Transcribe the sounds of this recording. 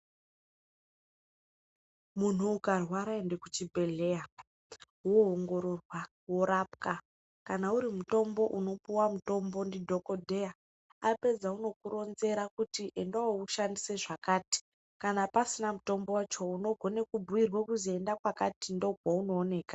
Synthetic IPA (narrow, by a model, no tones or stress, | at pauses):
mun̤uːkarwaɾaendekut͡ʃibʱe̞le̞ja | woɦoŋɡo̞ɾo̞rwa | wo̞ɾapka | kanauɾimuto̞mbo̞ʔuno̞puwamuto̞mbo̞ndidʱoko̞dʱe̞ja | ape̞d͡zauno̞kuɾo̞nze̞ɾakutiʔe̞ndawouʃandise̞ʐakaːti̥ | kanapasinamuto̞mbo̞wat͡ʃo̞uno̞ɡʱo̞ne̞kubʱuwirwekuzie̞ndakwakatindo̞ɡwauno̞ːne̞ːka